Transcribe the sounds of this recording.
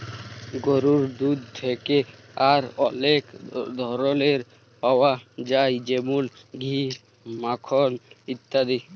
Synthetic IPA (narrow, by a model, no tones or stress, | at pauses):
ɡɔɾuɾd̪ud̪̚t̪ʰɛke | aɾɔlekd̪ʱɔɾɔleɾ | pɔwad͡ʒajd͡ʒemulɡʱi | makʰɔlit̪ːad̪i